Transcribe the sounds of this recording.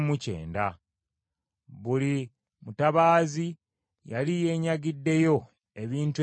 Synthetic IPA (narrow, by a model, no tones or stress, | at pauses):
muce̞̰ːnda | βuli | mutaβaːzi | jalije̞ːɲaɡidːe̞jo̞ | e̞βiːntu